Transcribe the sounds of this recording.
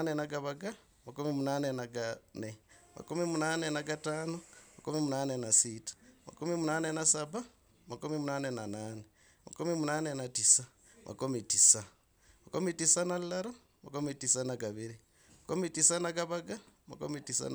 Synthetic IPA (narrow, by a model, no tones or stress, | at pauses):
nenaɡaβaɡa | makumimunanenaɡanemʔa̰kumimunanenaɡataːnomakumimunanenasitḁma̰kumimunanenasaβa | makumimunanenanaːne | ma̰kumimunanenatisa | mʔa̰komitisa | makomitisanallaɾo | makumitisanaɡaβiɾi | makomitisanaɡaβaɡama̰kumitisa̰